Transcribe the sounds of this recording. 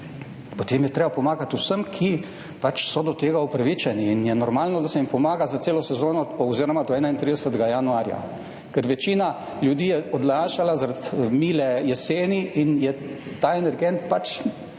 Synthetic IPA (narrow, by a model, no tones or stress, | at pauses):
pɔt̪eːmjɛt̪ɾeːbapɔmaːɡat̪usəmkʰi | pat͡ʃsɔd̪ɔt̪eːɡaɔpɾaʋit͡ʃɛniːnjɛnɔɾmaːlnɔd̪asɛimpɔmaːɡazat̪seːlɔsɛzoːnɔɔziːɾɔmad̪ɔɛːnaint̪ɾiːd̪ɛsət̪ɡajanuaːɾja̰ | kɛɾʋɛt͡ʃiːna | ljud̪iːjɛɔd̪laːʃalazaɾat̪miːlɛjɛseːniʔinjɛt̪aɛnɛɾɡɛnt̪̚pat͡ʃ